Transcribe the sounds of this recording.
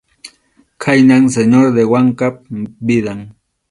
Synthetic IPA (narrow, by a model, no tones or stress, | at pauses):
kʰajnaŋseɲoɾd̪ewaŋkap̚bɪd̪aŋ